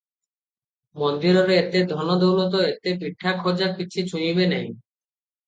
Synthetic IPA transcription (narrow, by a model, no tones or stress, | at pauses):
mond̪iɾoɾeet̪ed̪ʱɔnod̪owlot̪oet̪epɾiʈʰːakʰod͡ʑakit͡ɕʰit͡ɕʰujibenɛj